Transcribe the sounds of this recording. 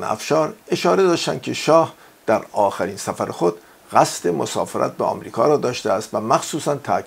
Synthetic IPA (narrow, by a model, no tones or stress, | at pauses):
næ̰fʃɒːɾe̞ʃɒːɾe̞d̪ɒːʃt̪æ̰nd̥̪kcʰe̞ʃɒːh | d̪̥æɾɒːxæɾinsæfæɾexo̞d̪̥ | ʁæst̪e̞mosɒ̰ːfeɾʔæ̰t̪̚beɒ̰ːmɾḭːkʰɒ̰ːɾɒːd̪ɒːʃt̪eæst̪væmæxsuːsænt̪ʰæ̰ʔ